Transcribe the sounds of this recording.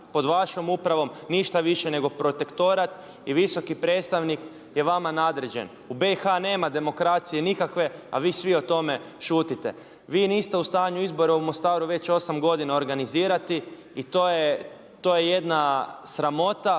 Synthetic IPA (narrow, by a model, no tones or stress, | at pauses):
po̞d̪ʋaʃo̞mupɾaʋo̞mniʃt̪aʋiʃe̞ne̞ɡo̞pɾo̞t̪e̞kt̪o̞ɾat̪ | iʋiso̞kipɾe̞ːt̪st̪aʋnik | je̞ʋamanaːd̪ɾed͡ʑe̞̰n | ube̞ixane̞ːmad̪e̞mo̞kɾat̪sijenikakʋe̞a̰ʋiːsʋio̞t̪o̞me̞ | ʃuːt̪it̪e̞̰ | ʋiːniːst̪e̞ust̪aːɲuizbo̞ɾeumo̞st̪aːɾuʋe̞t͡ɕo̞samɡo̞d̪inao̞ɾɡaniziːɾat̪iː | t̪oje | t̪ojejed̪nasɾamo̞t̪a